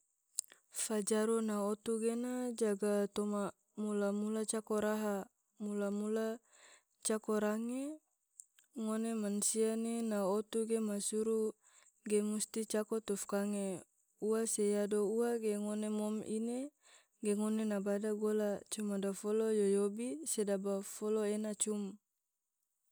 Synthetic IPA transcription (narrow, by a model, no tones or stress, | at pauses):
fad͡ʒaɾunaot̪uɡenad͡ʒaɡat̪oma | mulamulat͡ʃakoɾaɦa | mulamula | t͡ʃakoɾaŋe | ŋonemansianenaot̪uɡemasuɾu | ɡemust̪it͡ʃakot̪ufkaŋe | uasejadouaɡeŋonemɔmḭne | ɡeŋonenabadaɡolat͡ʃumadafolojojobisedabafoloenat͡ʃum